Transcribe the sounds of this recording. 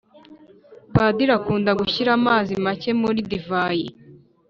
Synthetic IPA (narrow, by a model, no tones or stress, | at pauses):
paːdiɾakuːndaɡuçiɾamaːzimace̞muɾidivaji